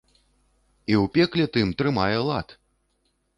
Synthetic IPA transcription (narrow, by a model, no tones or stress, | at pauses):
iwpʲɛklʲɛt̪ɨmt̪ɾɨmajɛlˠat̪